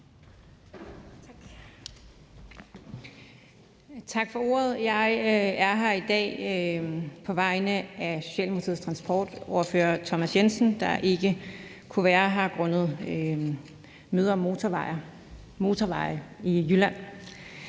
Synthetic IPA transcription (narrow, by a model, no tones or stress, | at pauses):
t͡sʰɑ̈ɡ̥fɒ̽o̝ːɐð̩ˠjɑ̈ɪæɐɦæid̥ɛ̰ː | pʰɒ̽ʋɑ̈ɪnəʔæɕo̝̥ɕɛ̰ːlmut͡sʰið̩̰ˠst͡sʰʁɑ̈nsb̥ɒ̰ːd̥ɒʊɐfø̰ːɐt͡sʰɒ̽mæsjensn̩d̥ɑ̈ʔe̝ɡ̥ə | kʰuʋæːɐɦɑ̈ɡ̥ʁɔ̽nəð̩ˠ | møːðˠɐmo̝ɑɪɐ | mo̝ːt͡sʰɒʋɑ̈ɪ̰ijylæn̰